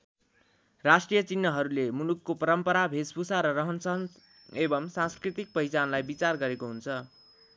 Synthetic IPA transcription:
rasʈrijʌt͡sinːʌɦʌɾulemunukːopʌɾʌmpʌɾabʱespusaɾʌrʌɦʌnsʌɦʌn | ebʌmsãnskrit̪ik̚pʌjt͡sanlajbit͡sarɡʌɾekoɦunt͡sʰʌ

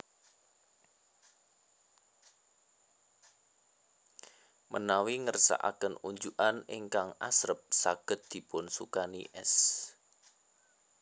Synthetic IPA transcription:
mʔənawiŋərsa̰ʔa̰kənuɲd͡ʒuʔanɪ̰ŋkaŋa̰sɾəp̚saɡ̥ət̪̚d̪̥i̤pʊnsukaniʔɛ̰s

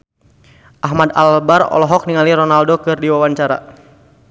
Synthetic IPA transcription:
ʔaɦmada̰lbarɔ̰lɔɦɔk̚niŋaliɾɔnaldokɨrdiwawaɲt͡ʃaɾa̰

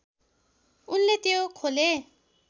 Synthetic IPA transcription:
unlet̪jokʰole

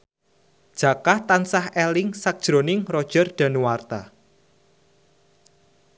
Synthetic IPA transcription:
d̥ʒ̥a̤kaht̪ansahɛlɪŋsak̚d̥ʒ̥ɾonɪŋrɔd̥ʒ̥ərɖ̥a̤nuwart̪a̰

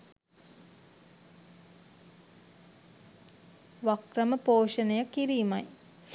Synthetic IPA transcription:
ʋakrəməpoːʂənəjakiɾiːmaj

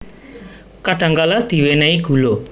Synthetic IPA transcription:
kaʈaŋɡalat̪iʋenajɡʱulo

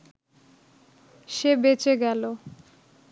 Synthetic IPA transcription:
ʃebet͡ɕeɡɛlo

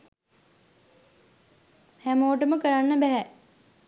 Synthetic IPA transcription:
hæmoːʈəməkəɾanːəbæɦæ

